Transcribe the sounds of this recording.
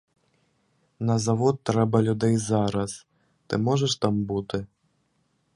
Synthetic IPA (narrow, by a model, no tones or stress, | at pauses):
nɐzavɔt̪ːɾɛbɐlʲud̪ɛjzaɾɐs | t̪ɨmɔʐɛʂt̪ambut̪ɨ